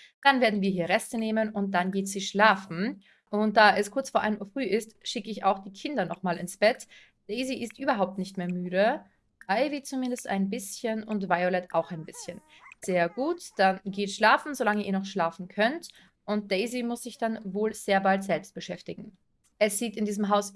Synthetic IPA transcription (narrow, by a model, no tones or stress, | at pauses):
d̥anveːɐdn̩viːɐɦiːɐʁɛstəneːmənʊnt̚d̥anɡeːtz̥iːʃlaːfn̩ | ʔʊnt̚d̥aːʔɛskʰʊɐt͡sfoːɐʔaɪnmuːɐfʁ̥yːʔɪstʃɪkəɪça̰ʊxd̥iːkʰɪndɐnɔχmaːlɪnsb̥ɛt | d̥ɛɪziʔɪstʔyːbɐɦaʊp̚tnɪçtmeːɐmyːɾə | aɪviːt͡sumɪndəsta̰ɪnbɪsçənʊntvaɪolɛtʔa̰ʊxaɪnbɪsçən | z̥eːɐɡuːtd̥anɡeːtʃlaːfn̩zolaŋəʔiːɐnɔχʃlaːfn̩kʰœnt | ʔʊnt̚d̥eɪzimʊsz̥ɪçd̥anvoːlz̥eːɐbaltz̥ɛlpst̚b̥əʃɛftɪɡŋ̩ | ʔɛsz̥iːtɪndiːzəmɦaʊs